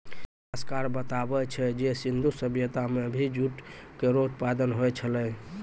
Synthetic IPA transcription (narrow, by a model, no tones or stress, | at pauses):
əskaɾbət̪abɛt͡ʃʰɛd͡ʒesind̪ʱusəbjət̪ameəbʱid͡ʒuʈkeɾot̪pad̪ənɦojt͡ʃʰəlɛ